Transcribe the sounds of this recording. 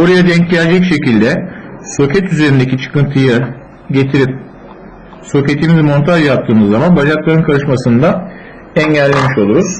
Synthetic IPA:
boɾajad̪ɛɲcɟʲælʲːicʃe̞cilʲd̪ɛso̞cʰɛt̪yze̞ɾind̪ecʲit͡ʃʰɯ̥kɯnt̪ʰɯjɯ | ɟe̞t̪ʰiɾip̚ | so̞cet̪ʰːimizmo̞nt̪ʰaʒjap̚t̪ʰːɯːnɯzːamanbaʒaɾklˠaɾɯnkʰalɯʃmasɯnd̪a | ænɟælːʲemiʃo̞lˠuɾuz̥

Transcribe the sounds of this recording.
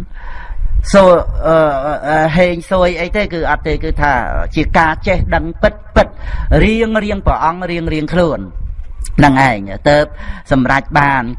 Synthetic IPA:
soːʔəːɦeːɲsoəjʔəjt̪eːkɨːʔɑt̪ːeːkɨːt̪ʰa̰ːt͡ɕiəkaːt͡ɕehɗəŋpɨt̪̚pɨt̪̚riəŋriəŋprəʔɑŋriəŋriəŋkʰluən | nɨŋʔaɛŋt̪əːp̚sɑmrac̚ɓaːn

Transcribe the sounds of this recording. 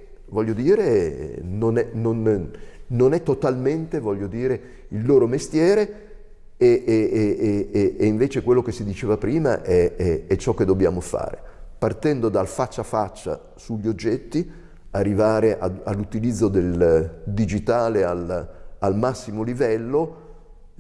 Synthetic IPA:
vɔʎːod̪iːɾenonɛnon | nonɛt̪ːot̪alment̪evɔʎːod̪iːɾe | ilːoːɾomest̪jɛːɾe | e | eiɱveːt͡ʃekwelːok̟esid̪it͡ʃeːvapɾiːma̰ʔɛɛɛt͡ʃːɔk̟ːed̪ːobja̰ːmofa̰ːɾḛpart̪ɛnd̪od̪alfat͡ʃːafat͡ʃːa̰ | suʎːiod͡ʒːɛt̪ːi | arːivaːɾeʔa̰a̰lːut̪ilid̪zːod̪eld̪id͡ʒit̪aːlealalmasːimolivɛlːo

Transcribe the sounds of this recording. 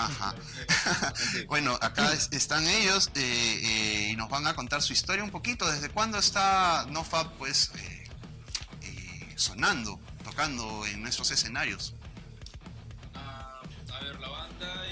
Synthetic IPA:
axa̰ | bwe̞no̞ʔakasest̪aŋe̞ʝoseeino̞zβaŋako̞nt̪aɾsuist̪o̞ɾjaumpo̞kit̪o̞ðezðe̞kwand̪oest̪anofap̚pwesḛ | ḛso̞nãnd̪o̞t̪o̞kand̪o̞eŋnwest̪ɾo̞se̞se̞naɾjo̞s | a | βeɾlaβand̪a

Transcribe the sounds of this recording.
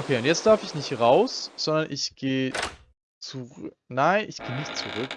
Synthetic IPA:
okʰeːʊntjɛt͡std̥aɐfɪçnɪçtʁaʊsz̥ɔndɐnʔɪçɡ̥eː | t͡suʁ | naɪnʔɪçɡ̥eːnɪçtt͡suʁʏk

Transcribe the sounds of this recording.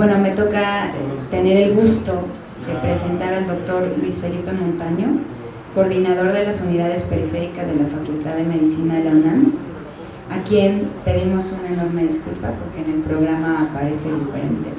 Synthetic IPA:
bwe̞no̞me̞t̪o̞kaet̪e̞ne̞ɾe̞lɣust̪o̞ | ðe̞pɾe̞se̞nt̪aɾald̪o̞k̚t̪o̞ɾlwisfe̞lipe̞mõnt̪aɲo̞ | ko̞ɾðinaðo̞ɾðe̞lasuniðað̞e̞spe̞ɾife̞ɾikazðe̞lafakult̪aððe̞me̞ðisinalonan | akje̞npe̞ðimo̞sunaeno̞ɾme̞ðiskulpapo̞ɾke̞ːne̞lpɾo̞ɣ̞ɾamaːpaɾe̞se̞ðife̞̰ɾe̞̰nt̪e̞̰

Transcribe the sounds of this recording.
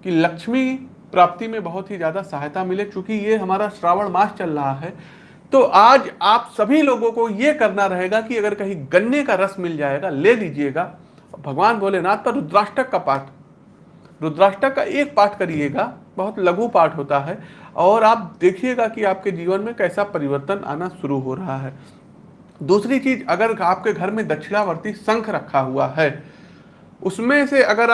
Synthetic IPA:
kilɐkʃmi | pɾaːp̚t̪imẽbɐɦʊt̪ɦizjaːd̪asɐɦjt̪amɪlet͡ʃũːkijeɦɐmaːɾaʃɾaːʋəɽmaːst͡ʃɐlɾɐɦaɦɛː | t̪oʔaːd͡ʒaːpsɐbʱiloːɡõkojekɐɾnaɾɐɦeːɡakiɐɡəɾkɐɦĩɡɐnːekaɾɐsmɪld͡ʒaːeːɡaleliːd͡ʒieːɡa | bʱɐɡʋaːnbʱoːlenaːt̪̚pɐɾɾʊd̪ɾaːʃʈɾəkːapaːʈʰ | ɾʊd̪ɾaːʃʈəkːaʔeːk̚paːɾʈʰkɐɾieːɡabɐɦʊt̪lɐɡʱũpaːɾʈɦoːt̪aɦɛɔːɾaːp̚d̪eːkʰieɡakiaːp̚ked͡ʒiːʋənmẽkɛːsapɐɾɪʋəɾt̪ənʔa̰ːnaʃʊɾuɦoɾɐɦaɦɛː | d̪uːsɾit͡ʃiːd͡ʒɐɡəɾaːp̚keɡʱɐɾmẽd̪ɐʃʰɪɽaʋəɾt̪isɐ̃ŋkʰɾɐkʰːaɦuaɦɛː | ʊsmẽseɐɡəɾ

